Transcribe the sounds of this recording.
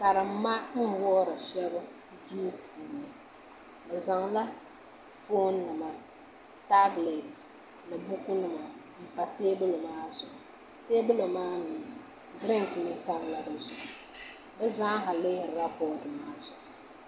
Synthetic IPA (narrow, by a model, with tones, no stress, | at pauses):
ka˨ɾɨ˨m̩ː˦a˦n̩˦wɔː˦ɾɨ˨ʃɛ˦ba˦ | duː˦pʰuː˨nɨ˨ | bɛ˨za˨ŋla˦ | fo˦nːɨ˨ma˨ | ta˦ble˨t | nɨ˨bu˦kʊ˦nɨ˨ma˨ | m̩˨pa˨te˦bɨ˦lo˨maː˦zʊ˨ʔ | te˦bʊ˦lo˨maː˦nuː˨ | dɪ˦ŋ˨ki˨nɨ˦ta˦ŋ˨la˦bɨ˨zʊ˨ʔ | bɛ˦zaː˦ha˨lɪ˦hɪ˨ɾa˦pɔː˦˨dɨ˨maː˦zʊ˨ʔ